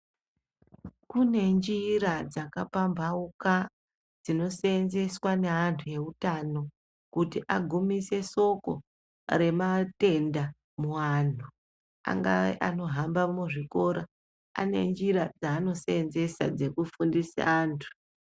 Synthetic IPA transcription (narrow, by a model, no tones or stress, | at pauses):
kune̞nd͡ʒiɾad͡zakapambʱauka | d͡zino̞seenze̞swane̞ɦantʰuje̞utano̞ | kutiʔaɡʱumise̞so̞ko̞̰ | ɾe̞mate̞nda | muwantu | a̰ŋɡaḛʔano̞ɦambamuʐiko̞ɾa | a̰ne̞̰nd͡ʒiɾad͡zaːno̞seenze̞sa̰d͡ze̞kufundisa̰aːntʰu̥